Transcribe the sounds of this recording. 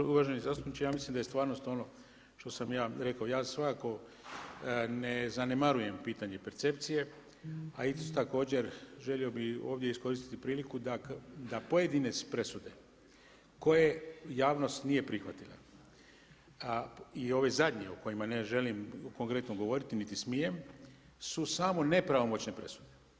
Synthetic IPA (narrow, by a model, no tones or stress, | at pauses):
uʋaʒenizaːst̪upnit͡ʃejaːmislimd̪ajest̪ʋaːɾno̞st̪o̞no̞ | ʃt̪o̞samjaːɾe̞kaojaːsʋakako̞ | ne̞zane̞maɾuje̞mpiːt̪aɲe̞pe̞ɾt̪se̞p̚t̪sije̞ | ait̪t̪ako̞ːd͡ʑe̞ɾʒe̞lio̞bio̞ːʋd̪je̞isko̞ɾist̪i̥t̪ipɾiːlikud̪ad̪apo̞je̞d̪inespɾe̞sud̪e̞ | ko̞je̞jaːʋno̞st̪nije̞pɾixʋat̪ila̰ | io̞ʋe̞zad̪ɲe̞oko̞jimaneʒe̞limko̞ŋkɾe̞t̪noɡo̞ʋo̞ɾit̪init̪ismijem | susamo̞ne̞pɾaʋo̞mo̞t͡ɕne̞pɾe̞su̥d̪e